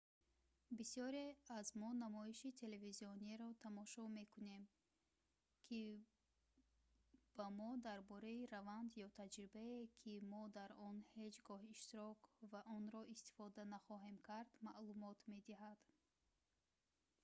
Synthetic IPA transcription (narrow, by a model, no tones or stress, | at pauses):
bisijɔɾeazmɔnamɔiʃit̪ʰe̞le̞viziɔniɾɔt̪ʰamɔʃɔme̞kʰune̞m | kʰi | b̥amɔd̪aɾbɔɾaiɾavand̪jɔt̪ʰad͡ʒɾibaekʰimɔd̪aɾɔnhe̞d͡ʒɡɔɦiʃt̪iɾɔkvaʔɔnɾɔʔist̪i̥fɔd̪anaχɔɦe̞mkʰaɾd̪maʔlumɔt̪me̞d̪iɦad̪̥